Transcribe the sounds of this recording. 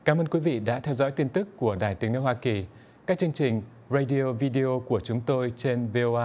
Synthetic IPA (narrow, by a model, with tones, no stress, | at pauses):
kaː˨˦məː˧nkwi˨˦vḭ˧˨ɗa̰ː˧˥t̪ʰɛ˧wzɔ̰˧˥jt̪i˧ənt̪ɨ˦˥kːu˧˩əɗaː˨˩jt̪i˨˦əŋnə˧˦hwaː˧ki˨˩ | kaː˦˥k̚t͡ɕɨ˧əŋt͡ɕï˨˩ŋ̟ | ze˧jɗi˧o˧vi˧ɗi˧ʔo˧ku˧˩ət͡ɕʊ˨˦ŋ͡mt̪o˧jt͡ɕe˧nve˧ʔo˧ʔaː˧